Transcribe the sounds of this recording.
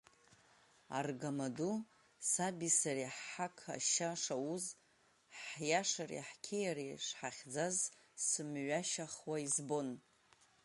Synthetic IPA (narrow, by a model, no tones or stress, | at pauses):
a̰rɡamadu | sabisariħħakʰa̰ʃaʂauz | ħjaʂarḭħkʲʰejariʂħaχʲd͡zazsɨmɥʷaʃaχwaizbo̞n